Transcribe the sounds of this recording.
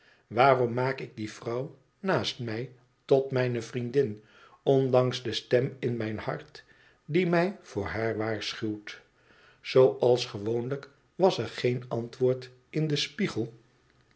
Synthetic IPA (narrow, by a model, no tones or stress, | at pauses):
ʋaːrɔmːaːkɪɡ̚div̥rʌw | naːstmɛj | tɔtmɛjnəvrindɪn | ɔndɑŋzdəstɛmɪnmɛjnhɑ̰ɹt | dimɛjv̥ʊːɹɦaːɹʋaːɹsχywt | z̥owʔɑlˠsχəʋownlək | ʋɑsəɹχejnɑntʋʊːɹt | ɪndəspiχəlˠ